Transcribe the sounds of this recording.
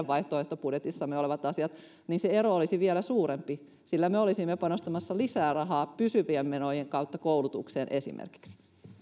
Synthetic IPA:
ʋʋɑiht̪oeht̪opudjet̪isːɑmːeoleʋɑt̪ɑsiɑt̪ | niːnseeɾoolisiʋielæsuːɾempi | silːæmeolisimːepɑnost̪ɑmɑsːɑlisæːrɑɦɑːpysyʋiemːenojeŋkɑwt̪ːɑkoulut̪ṵkseːnʔesḭmʔḛrki̥ksi̥

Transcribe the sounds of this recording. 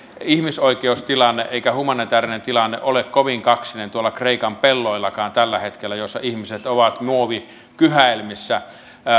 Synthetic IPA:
ihmisoikeust̪ilɑnːeʔeˑikæhumɑnit̪æːrinent̪ilɑnːḛʔolekkoʋiŋkɑksinent̪uolːˑɑkreˑikɑmpelːoˑilːɑkɑːnt̪ælːæhet̪kelːæjosːɑ̰ihmiset̪oʋɑt̪muoʋi | kyhæilmisːæ

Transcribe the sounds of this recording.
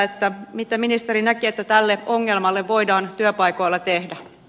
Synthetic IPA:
et̪ːæmit̪æminist̪eɾinækiet̪ːæt̪ælːeoŋːelmɑlːeʋʋo̞idɑːnt̪yøpɑjko̞jlːɑt̪ehdæ

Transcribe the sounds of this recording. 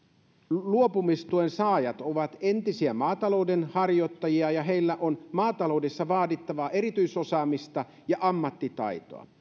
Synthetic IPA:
luopumist̪uensɑːjɑt̪oʋɑt̪ent̪isiæmɑːt̪ɑlo̞uwdenhɑrjo̞t̪ːɑjiɑjɑɦejlːæʔo̞nmɑːt̪ɑlo̞udesːɑʋɑːdit̪ːɑʋɑʔe̞ɾit̪yiso̞sɑːmist̪ɑ | jɑʔɑmːɑt̪ːit̪ɑ̰jt̪o̰ɑ̰

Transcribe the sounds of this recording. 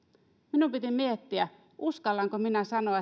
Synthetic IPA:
minumpit̪imiet̪ːiæ | ʔuskɑlːɑŋkominæsɑnoɑ

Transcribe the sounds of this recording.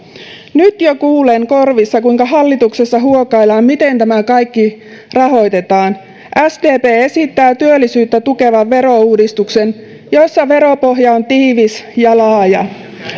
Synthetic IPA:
nyt̪jokuːleŋko̞rʋisːɑkuiŋkɑɦɑlːit̪ukse̞sːɑɦuokɑilɑːmmit̪e̞nt̪æmækɑjkːi | rɑɦo̞jt̪e̞t̪ɑːn | ʔæsd̪eːpeːe̞sit̪ːæːt̪yølːisyːt̪ːæt̪uke̞ʋɑʋʋe̞ɾo̞uːdist̪uksen | josːɑʋe̞ɾopoɦjɑo̞nt̪iːʋisjɑlɑːjɑ

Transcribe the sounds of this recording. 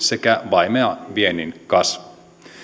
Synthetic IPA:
se̞kæʋɑjmeɑʋieninkɑs

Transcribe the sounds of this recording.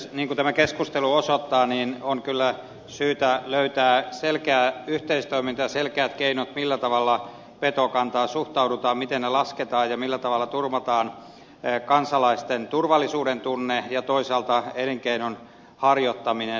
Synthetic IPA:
niːŋkut̪æmækeskust̪eluosot̪ːɑːniːnoŋkylːæ | syːt̪æløyt̪æːselkeæːyht̪eist̪oimint̪ɑjɑselkeæt̪keinot̪milːæt̪ɑʋɑlːɑ | pet̪okɑnt̪ɑːsuht̪ɑudut̪ɑːmmit̪ennelɑsket̪ɑːjɑmilːæt̪ɑʋɑlːɑt̪urmɑt̪ɑːn | kɑnsɑlɑist̪ent̪urʋɑlːisuːdent̪unːejɑt̪oisɑːlt̪ɑeneŋkeinon | hɑrjot̪ːɑmine

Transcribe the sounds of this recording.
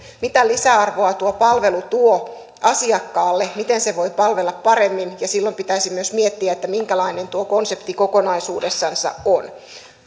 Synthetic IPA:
mit̪ælisæɑrʋoɑt̪uopɑlʋe̞lut̪uo | ɑsiɑkːɑːlːemit̪enseʋo̞ipɑlʋelːɑppɑɾemːinjɑsilːompit̪æisimːyøsmiet̪ːiæet̪ːæmiŋkælɑine̞nt̪uokonsept̪ikokonɑisuːdesːɑnsɑ̰ʔon

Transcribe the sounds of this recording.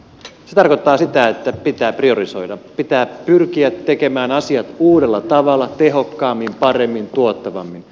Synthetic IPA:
set̪ɑrkot̪ːɑːsit̪æet̪ːæpit̪æːprio̞riso̞jdɑpit̪æːpyrkiæt̪ːe̞ke̞mæːnɑsiɑt̪uːdelːɑt̪ɑʋɑlːɑt̪e̞ɦo̞kːɑːmːimpɑre̞mːint̪uot̪ːɑʋɑ̰mːin

